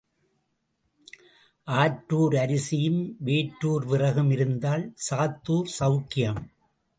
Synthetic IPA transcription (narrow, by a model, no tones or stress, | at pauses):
ʔaːʈːuːɾɐɾɪsɪjɯmʋeːʈɾuːɾʋɪrɐɣɯmɪɾɯnd̪aːlsaːt̪ːuːɾsɐʊkɪjɐm